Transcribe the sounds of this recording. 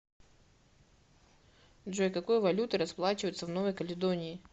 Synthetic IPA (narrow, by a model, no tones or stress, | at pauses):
d̪ʐojkɐko̞jvɐlʲut̪ɨɾɐsplˠat͡ɕɪvəjʊt̪səvno̞vəjkəlʲɪd̪onʲɪː